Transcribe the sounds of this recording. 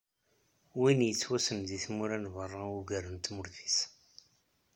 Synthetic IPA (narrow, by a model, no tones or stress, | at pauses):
winjət͡sːwæsəmðiθmuɾænvərˤːɑuɡæɾənt̪mʊɾθi̥s